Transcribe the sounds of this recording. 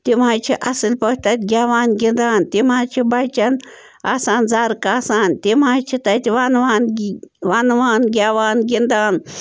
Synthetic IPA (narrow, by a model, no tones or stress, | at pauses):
t̪imaːjt͡ʃʰiʔɐsɨlpot͡ʃʰʲt̪ɐt̪̚ʲɡʲaːʋaːnɡʲind̪aːnt̪imaːt͡ʃʰibɐt͡ʃɐn | aːsaːnzaːɾkaːsaːnt̪imaːjt͡ʃʰit̪ɐt̪ʲʋaːnʋaːnʋanʋaːnɡʲaːʋaːnɡʲind̪aːn